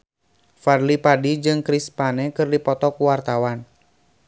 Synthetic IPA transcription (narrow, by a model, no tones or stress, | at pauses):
farlipadid͡ʒɨŋkɾispanɛkɨrdipɔt̪ɔkuwart̪awan